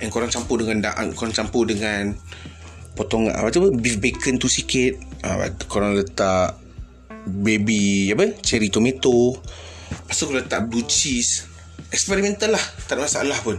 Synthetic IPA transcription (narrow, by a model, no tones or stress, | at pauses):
ʔɛnkoɾaŋt͡ʃampʊdəŋandaʔa̰ŋkoɾaŋt͡ʃampʊhdəŋan | pot̪oŋa̰ʔa̰pat̪upəbifbekənt̪usikɪt̪̚ə̰a̰koɾaŋlət̪aʔ | bebiapət͡ʃɛɾit̪omet̪o | pasakollət̪aʔblut͡ʃis | ɛkspɛɾimɛ̃nt̪əlːaht̪at̪̚masaalahpʊn